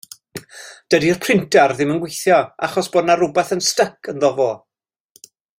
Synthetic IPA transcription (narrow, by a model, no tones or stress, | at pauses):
d̥ədir̥pʰrɪntarðɪmənɡwejθjɔa̰χɔsb̥ɔːdnaɾʊbɛθənstəkʰənðɔvɔ